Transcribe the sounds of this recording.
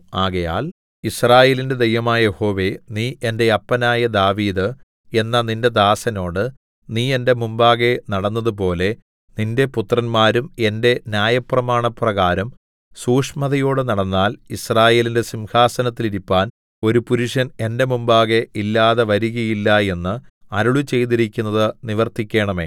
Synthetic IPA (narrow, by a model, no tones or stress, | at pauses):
aːɣɐja̰ːl | israːje̞ːlinde̞d̪ejʋɐmaːjje̞ho̞ːʋe̞niːʔe̞nde̞ɐpːɐnaːjɐd̪aːʋiːðɨ | e̞nːɐninde̞d̪aːsɐno̞ːɽɨ | niːe̞nde̞mumbaːɣe̞nɐɽɐnːɐðup̬o̞ːle̞ | ninde̞put̪ːrɐnmaːɾume̞nde̞njaːjɐprɐmaːɳɐprɐɣaːɾɐm | suːʂmɐðɐjo̞ːɽɨnɐɽɐnːaːlisraːje̞ːlinde̞simhaːsɐnɐt̪ːiliɾipːaːn | o̞ɾupuɾuʂɐne̞nde̞mumbaːɣe̞ʔilːaːðeʋɐɾuɣɐjilːɐe̞nːɨɐɾuɭut͡ɕe̞jt̪iɾikʲːunːɐðɨniʋɐrt̪ikʲːe̞ːɳɐme̞̰ː